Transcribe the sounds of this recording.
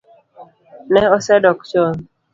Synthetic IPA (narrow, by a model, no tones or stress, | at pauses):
nɛɔsɛdɔk̚t͡ʃɔn